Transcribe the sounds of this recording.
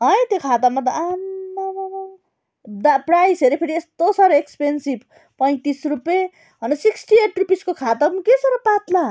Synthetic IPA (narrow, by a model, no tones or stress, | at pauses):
ɦʌj̃t̪jokʰat̪amat̪ʌama | d̪aprajseɾipʰeɾiest̪osaɾekspensib | pʌj̃t̪isrupe | ɦʌnʌsiksʈieʈrupiskokʰat̪amukesʌɾʌpat̪la